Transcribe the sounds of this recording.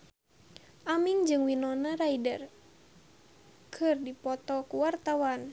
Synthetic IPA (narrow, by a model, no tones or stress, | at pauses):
ʔamiŋd͡ʒɨŋwinɔnaɾaidər | kʰɨrdipɔt̪ɔkuwart̪awan